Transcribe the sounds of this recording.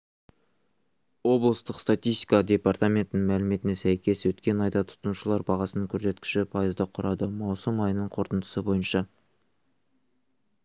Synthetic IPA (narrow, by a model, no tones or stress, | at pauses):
wo̞blˠəst̪əqst̪at̪ʲijst̪i̥jkɑd̪ʲe̞part̪amʲe̞nt̪ɪnɪŋmælɪme̞t̪ɪnesæjkʲe̞swɵt̪kʲe̞nɑjd̪ɑt̪ʰʊ̥t̪ənuʃəlˠɑɾbɑʁɑsənəŋkʲʰɵɾse̞t̪kʲɪ̥ʃɪpʰɑjəzd̪ɑqʰʊɾɑd̪əmɑwsəmɑjənəɴqʰo̞ɾt̪ənd̪ə̥səbo̞jənʃɑ